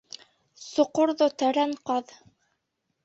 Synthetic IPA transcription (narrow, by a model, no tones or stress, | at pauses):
sŏqoɾðot̪æɾæɴqɑð